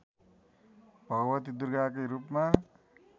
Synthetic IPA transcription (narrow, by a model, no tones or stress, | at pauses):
b̥ʱʌɡʌwʌt̪id̪urɡakʌjɾupma